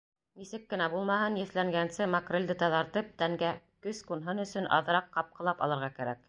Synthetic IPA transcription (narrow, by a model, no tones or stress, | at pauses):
nisɘkːɘ̆næbulˠmɑhɤnjɘ̆θlæŋɡænsɘmɑkrʲĕlʲd̪ɘt̪ɑðɑɾt̪ɤp̚t̪æŋɡæ | kɵskunɦɤnɵ̆sɵnʔɑ̰ðɤ̆ɾɑqːɑp̚qɤ̆lˠɑpɑ̰lˠɤ̆ɾʁɑkæɾæ̰k